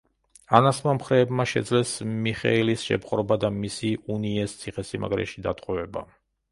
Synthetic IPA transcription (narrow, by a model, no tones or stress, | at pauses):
anasmamχɾɛːbmaʃɛ̰d̪zlɛsmiχɛ̰ilisʃɛ̰pqʼɾɔbad̪amisiuniɛst̪sʰiχɛsima̰ɡɾɛ̰ʃid̪at̪ʼqʼɛvɛba̰